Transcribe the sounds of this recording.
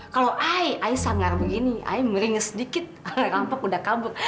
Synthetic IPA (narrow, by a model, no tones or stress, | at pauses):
kaloʔaiʔaisaŋarbəɡinia̰iməɾiŋəsədikɪt̪̚rampakudakabər